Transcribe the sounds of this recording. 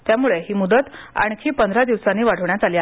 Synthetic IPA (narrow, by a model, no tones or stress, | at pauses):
t̪jamuɭeɦiːmud̪ət̪a̰ɳ̃kʰiːpənd̪ɾad̪iʋsanːiːʋaɽ̤əʋɳjat̪alia